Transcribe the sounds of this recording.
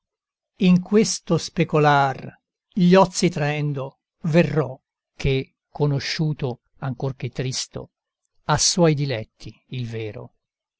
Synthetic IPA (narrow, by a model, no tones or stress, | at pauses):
iŋkwest̪ospekolar | ʎɔt̪sːit̪ɾaɛnd̪o | verːɔ | k̟e | kʰːonoʃːuːt̪o | aŋkork̟et̪ːɾist̪o̰ | asːwɔjd̪ilɛt̪ʰːi | ilvɛːɾo̰